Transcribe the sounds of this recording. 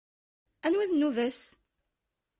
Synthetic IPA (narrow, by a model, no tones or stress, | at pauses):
ænwiðnːuvæs